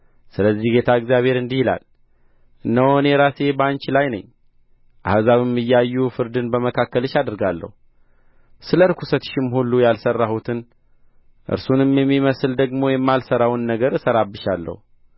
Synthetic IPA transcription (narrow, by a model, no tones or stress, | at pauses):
sɨləzːihɡe̞t̪ʰaɨɡzjaβhe̞ɾɨnd̪ihila̰l | ʔɨnːəwonɛɾase̞bant͡ʃlajnə̰ɲː | ʔa̰hzaβɨmːɨjːajːufɨɾd̪ɨnbəməkʰakːəlɨʃad̪ɾɡalːə̰hu | sɨləɾkʰusət̪ʃɪmhulːujalsərːahut̪ʰɨn | ʔɨ̰ɾsunɨmjɛmːiməsɨld̪əɡmo̞jɛmːalsəɾawnːəɡəɾsəɾabːɨʃalːə̰hu